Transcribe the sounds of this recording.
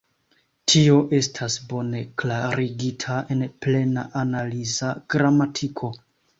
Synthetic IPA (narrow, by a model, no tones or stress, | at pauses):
tʰio̞ʔe̞stʰasbo̞ne̞klaɾiɡitʰae̞nple̞na̰ʔanalizaɡ̥ɾamatʰikʰo̞